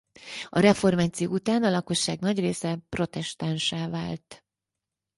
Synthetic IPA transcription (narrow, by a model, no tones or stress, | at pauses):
ɒɾɛfo̞rmaːt̪sijo̰ːut̪aːnɒlɒko̞ʃːaːɡnɒɟreːsɛpro̞t̪ɛʃt̪anʃaːvaːlt̪